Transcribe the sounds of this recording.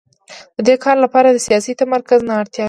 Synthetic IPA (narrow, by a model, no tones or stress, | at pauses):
d̪̥əd̪ekʰɑɾlapɑɾad̪əsijɑsit̪amaɾkaznɑːɽt̪jɑ